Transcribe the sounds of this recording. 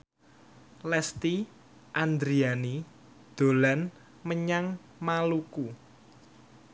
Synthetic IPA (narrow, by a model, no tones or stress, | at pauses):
lɛst̪i | ʔand̪ɾiani | d̪̥o̤lan | məɲaŋ | maluku